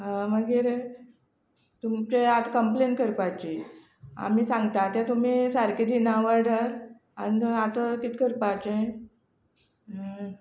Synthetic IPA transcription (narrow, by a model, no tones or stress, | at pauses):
ɦãməɡiːɾ | t̪umt͡ɕeat̪kəmplenkəɾpajt͡ɕi | a̰m̤iːsãŋɡt̪at̪jãt̪um̤iːsaɾked̪inaʋəɾɖəɾ | a̰niat̪əkit̪kəɾpat͡ɕe